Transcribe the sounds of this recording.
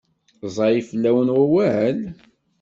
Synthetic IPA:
zˤɑjifəlːæwənwæwæʕəl

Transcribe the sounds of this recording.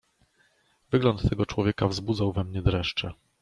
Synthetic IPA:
vɘɡlɔnt̪ːɛɡɔt͡ʂwɔvʲjɛkavzbud̪zawvɛmɲɛd̪ɾɛʂt͡ʂɛ

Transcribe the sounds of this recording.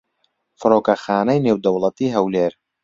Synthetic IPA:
fɨɾoːkɐxaːnɐjneːwd̪ɐwlˠɐt̪iːɦɐwleːɾ

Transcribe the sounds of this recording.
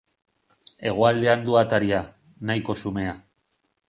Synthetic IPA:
e̞ɣ̞oald̪e̞and̪uat̪aɾia | najko̞sume̞a

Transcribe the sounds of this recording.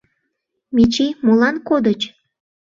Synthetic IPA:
mʲit͡ɕimolɑnkod̪ət͡ɕ

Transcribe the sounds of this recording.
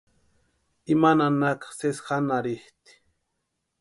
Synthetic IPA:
imananakḁsesxanaɾɪht̪i̥

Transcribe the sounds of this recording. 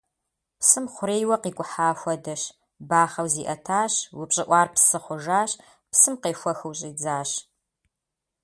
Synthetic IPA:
psɨmχʷʊɾeːjwɐqiːkʷʼʊħaːfʷɐdɐʃ | baːχɐwziːʔɐtʰaːɕwʊpɕʼɪʔʷɑːrpsɨχʷʊʒaːɕ | psɨmqeːfʷɐxɨwɕʼiːd͡zaːɕ

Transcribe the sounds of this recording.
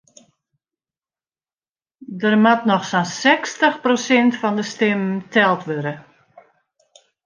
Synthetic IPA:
dərmatnɔxsansɛkstəxprosɪntfɔndəstɪmtʰɛlˠtʋøɾə

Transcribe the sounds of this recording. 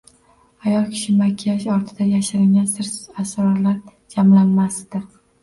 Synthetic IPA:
ajɒlˠkʲʰɪ̥ʃɪmakʲʰːijaʃɒɾt̪ʰɪd̪ajaʃaɾɪŋɡʲansɪɾasɾɒɾlaɾ | d͡ʒamlanmasd̪̥ɪ

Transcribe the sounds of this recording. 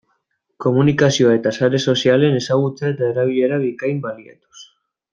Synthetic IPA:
komunikasjoet̪asaɾesosjalenesaɣut͡s̪et̪aɾaβiʎeɾaβikajmbaljḛt̪o̥s

